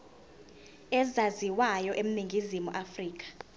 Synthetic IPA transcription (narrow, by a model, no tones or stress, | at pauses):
ɛzaziwajɔʔem̩niŋɡʱizimuʔafriːk̬ḁ